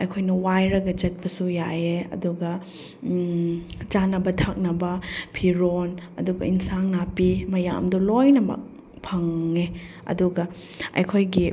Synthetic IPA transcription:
ɐ̰jkʰojnɐwajɾɐɡɐd͡ʒɐt̚pɐsujajeɐ̰duɡɐ | t͡ʃanɐbɐtʰak̚nɐbɐpʰiɾonɐ̰duɡɐ̰insaŋnapimɐja̰mdulojnɐmɐ̰k̚ | pʰɐŋːe | ɐ̰duɡɐ | ɐ̰jkʰojɡi

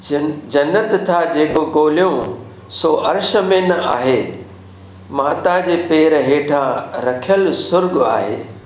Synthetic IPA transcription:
d͡ʑɐnːət̪t̪ʰːad͡ʑeːkoɡoːlijõ | soːʔɐɾʃəmẽnɐa̰ːɦeː | maːt̪ad͡ʑeːpeːɾɦeːʈʰãɾɐkʰijəlsʊɾɡa̰ːɦḛː

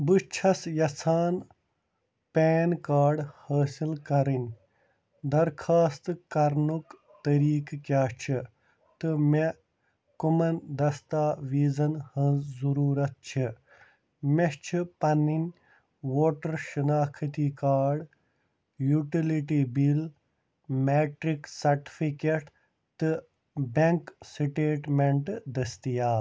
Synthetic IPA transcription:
bɨʃt͡ʃʰɐsjɐsaːn | peːnkaːɖhaːsilkɐɾinʲ | d̪ɐɾkʰaːst̪kɐɾnuk | t̪ɐɾiːkkjaːt͡ʃʰi | t̪ɨme | kumɐnd̪ɐst̪aːʋiːzɐnhɐ̃zuɾuːɾɐt̪̚t͡ʃʰi | meʃt͡ʃʰipɐninʲ | ʋoːʈɐɾʃɐnaːkʰɐt̪ikaːɖ | juʈiliʈibil | meːʈɾiksɐɾʈifʰikeʈ | t̪ɨ | beŋksiʈeːʈmeɳʈd̪ɐst̪ijaː

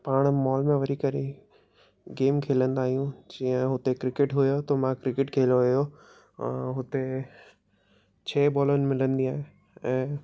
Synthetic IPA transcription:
paːɽ̃mɔːlmẽʋɐɾikɐɾe | ɡeːmkʰeːlə̃nd̪aːɦijũd͡ʑĩːə̃ɦʊt̪ekɾɪkɪʈɦʊjot̪omãkɾɪkɪʈkʰeːloɦʊjõ̰ | ɦʊt̪e | t͡ɕʰeːbɔːlənɪ̆mɪlə̃nd̪iaːɦe | ɛ̃ː

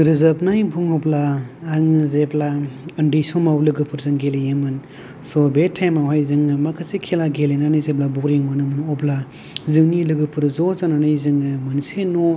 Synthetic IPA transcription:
ɾɯzɐp̚najbʱuŋɔplaːŋɯzeplaɯndisɔmawlɯɡɯpʰɯɾzɯŋɡelijemɯn | sɔbetʰajmawɦajzɯŋɯmakʰɯsikʰelaɡelenanɯjzeblabɔɾiŋmɯnɯmɯnɔpla | zɯŋnilɯɡɯpʰɯɾzɔzananajzɯŋɯmɯnsenɔ

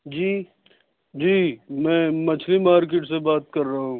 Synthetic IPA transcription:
d͡ʒiː | d͡ʒiːmɛ̃ːmɐt͡ʃʰlimaːɾk̬eːʈsebaːt̪̚kɐɾːɐaɦũː

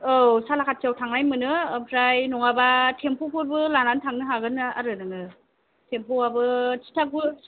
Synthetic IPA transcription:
owsalakʰat̚t͡ʃawtʰaŋnajmɯnɯpʰɾajnɔŋabatʰempʰopʰɔɾbɯlanantʰaŋnɯɦaɡɯnɯa̰ɾɯɾɯŋɯ | tʰempʰowabɯtʰi̥tʰak̚bɯ

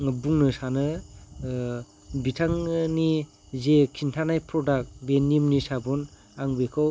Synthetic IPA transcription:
ŋɯbuŋnɯsanɯ | bitʰaŋni | zekʰintʰanajpʰɾɔdak̚benimnisabun | aŋbekʰɯw

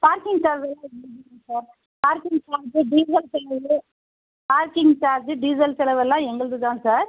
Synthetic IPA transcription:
paːɾkɪŋɡsɐlɐʋɛlːãːɛnːɐɐɡnãsaːɾ | paːɾkɪŋɡt͡ʃaːɾd͡ʒɯɖiːs̬ɐlsɛlɐʋɯ | paːɾkɪŋɡt͡ʃaːɾd͡ʒɯɖiːsɐlsɛlɐʋɛlːãːɛŋɡɐɭɯðɯt̪ãːsaːɾ

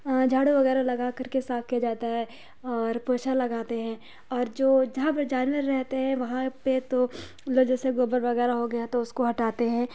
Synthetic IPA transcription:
d͡ʒʱaːɽuʋɐɣɛːɾalɐɡakɐɾkesaːfkijad͡ʒaːt̪aɦɛ | ɔːɾpoːʃalɐɡaːt̪eɦɛ̃ː | ɔːɾd͡ʒoːd͡ʒɐɦãpɐɾd͡ʒaːnʋəɾːɛɦt̪eɦɛ̃ʋɐɦãpet̪o | loːɡd͡ʒɛːseɡoːbəɾʋɐɣɛːɾaɦoɡɐjat̪oʊskoɦɐʈaːt̪eɦɛ̃ː

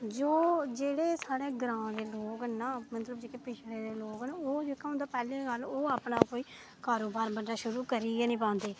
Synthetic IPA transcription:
d͡ʒoːd͡ʒeːɽeːsaːɽeːɡɾãːd̪eːloːɡənːaːmət̪ləbd͡ʒeːkeːpɪt͡ʃʰɽeːd̪eːloːɡənoːd͡ʒeːkaːɦʊ̃nd̪aːpɛːleːɡəloːaːpnaːkoːiː | kaːɾoːbaːɾbəɖaːʃʊɾuːkəɾiːɡɛːnĩːpãːnd̪eː

